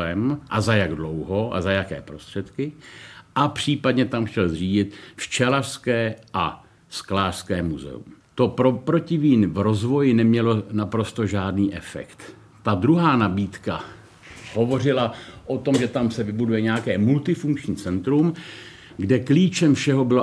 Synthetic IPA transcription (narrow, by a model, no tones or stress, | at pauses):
ɛmʔazajaɡdlo̞wɦo̞ʔa̰zajakɛ̰ːpɾo̞st̪r̝̥ɛt̪kɪʔapr̝̥iːpadɲɛt̪amxʃɛlzriːɟɪt̪ft͡ʃɛlarskɛːʔa | sklaːr̥skɛːmuzɛ̰ṵmt̪o̞pɾopɾo̞cɪviːnvɾo̞zvo̞jɪnɛmɲɛlo̞napɾo̞st̪o̞ʒaːdniːʔɛfɛ̰kt̪ː | adɾuɦaːnabiːt̪ka | ɦo̞vo̞r̝ɪlaʔo̞t̪o̞mʒɛt̪amsɛvɪbudujɛɲɛakɛːmult̪ɪfuŋkt͡ʃɲiːt͡sɛnt̪ɾum | ɡdɛkliːt͡ʃɛmfʃɛɦo̞bɪlo